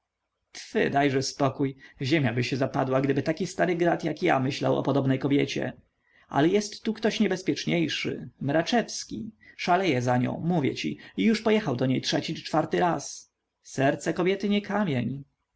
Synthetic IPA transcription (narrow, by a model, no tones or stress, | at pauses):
t̪fɘ̰d̪ajʐɛspɔkujʑemʲjabɘɕɛzapad̪waɡd̪ɘbɘt̪akʲist̪aɾɘɡɾat̪jakja̰mɘɕla̰wɔ̰pɔd̪ɔbnɛjkɔbʲjɛt͡ɕɛ̰ | ʔa̰lɛjɛst̪ːukt̪ɔɕɲɛbɛspʲjɛt͡ʂɲejʂɘ̰mɾat͡ʂɛfskʲḭʂalɛjɛzaɲɔ̰̃w̃muvʲjɛ̰t͡ɕḭijuʂpɔjɛxawd̪ɔɲejtʂɛt͡ɕit͡ʂfaɾt̪ɘɾas | sɛɾt̪sɛkɔbʲjɛt̪ɘɲɛkʰamʲjeɲ